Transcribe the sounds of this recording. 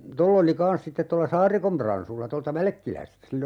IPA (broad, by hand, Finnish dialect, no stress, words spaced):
tolː oli kɑns sitːet tolːɑ sɑːrikom prɑnsulːɑ toltɑ ʋælæ̆kːilæstæ silː